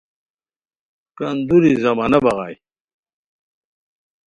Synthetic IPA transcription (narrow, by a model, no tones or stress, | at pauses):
kɐnd̪uɾizɐmanɐbɐʁa̰ːj